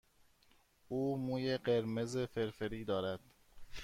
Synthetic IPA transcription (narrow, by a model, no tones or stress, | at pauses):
uːmuːjeɢe̞ɾme̞zefe̞ɾfeɾiːd̪ɒːɾæd̪̥